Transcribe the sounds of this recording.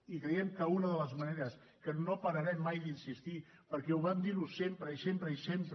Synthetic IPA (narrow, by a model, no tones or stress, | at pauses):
ikɾeiɛmkəunəðələzməneɾəs | kənopəɾəɾɛmːajd̪insist̪i | pəɾkɛuβamd̪iɾusempɾəisempɾəisempɾ